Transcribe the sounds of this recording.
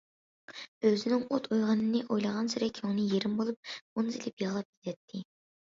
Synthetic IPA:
øzɪnɪŋot̪ʰojʁɑnɨnɪʔojlˠɑʁɑnsyɾɛkʲʰøŋnɪjeɾɪmbolˠup̚onzilɪpjɑʁlˠɑp̚ʲit̪ɛt̪ʰːɪ

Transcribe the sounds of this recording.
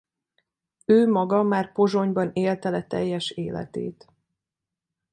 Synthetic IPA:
øːmɒɡɒmaːrpo̞ʒo̞ɲbɒneːlt̪ɛlɛt̪ɛ̰jːɛʃeːlɛ̰t̪ḛːt̪

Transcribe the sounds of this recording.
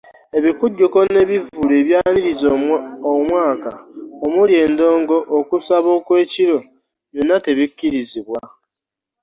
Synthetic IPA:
e̞βifuɟːoko̞ne̞βivuleːβjaːniɾizomwaːkaomulje̞ːndoːŋɡo̞ʔːkusaβo̞ːkwe̞ːciɾo̞ | βjonːate̞βikːiɾiziβwa

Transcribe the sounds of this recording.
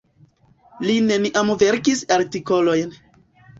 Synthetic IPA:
line̞niʔamve̞ɾkisaɾtiko̞lo̞jn

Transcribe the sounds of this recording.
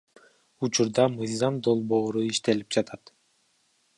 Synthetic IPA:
ut͡ʃuɾd̪ɑmɯjzɑmd̪o̞lˠbo̞ːɾuiʃt̪e̞lip̚d͡ʒɑt̪ʰɑt̪

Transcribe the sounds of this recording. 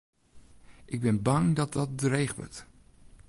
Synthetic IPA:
ʔɪɡ̚bɪnbaŋdɔt̚dɔt̚drejɣʋə̰t

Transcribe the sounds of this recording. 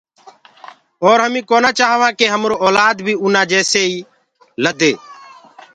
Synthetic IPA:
ɔːɾɦəmĩːkoːnãːt͡ʃaːɦʋãːkeːɦəmɾoːɔːlaːd̪bʱiːʊnãːd͡ʒɛːseːiː | ləd̪eː

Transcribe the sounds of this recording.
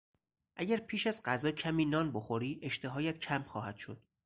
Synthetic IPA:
ʔæɟæɾpʰiːʃæzɢæzɒːcʰæmiːnɒːnboxoɾiːʔe̞ʃt̪ʰeɦɒːjæt̪cʰæmxɒːɦæd̪̥ʃod̪̥

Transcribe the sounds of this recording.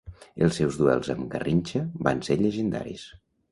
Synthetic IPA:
elˠsːɛwzðuɛlˠzəmɡərinʲt͡ʃəbanseʎəʒənd̪a̰ɾḭs

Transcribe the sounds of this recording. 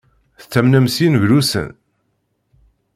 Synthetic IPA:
θt͡sːæmnæmsinʝlusə̰n

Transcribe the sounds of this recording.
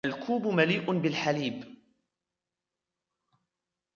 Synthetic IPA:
alkʰuːbmaliːʔʊbɪlħaliːb

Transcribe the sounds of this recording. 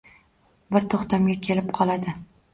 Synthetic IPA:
bɪɾt̪ʰoχt̪amɡʲakʲʰe̞lɪpqʰɒlˠad̪ɪ

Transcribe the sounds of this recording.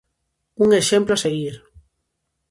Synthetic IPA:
uŋeʃemploaseɣiɾ

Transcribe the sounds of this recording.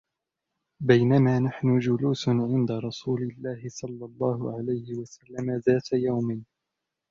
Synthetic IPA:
bajnamaːnaħnʊd͡ʒʊluːsnʕɪnd̪aɾˤɑsuːlɪlːaːhɪsˤɑlːɑlˤːɑːɦʊʕalajhɪwasalːamaðaːt̪ajawmɪn

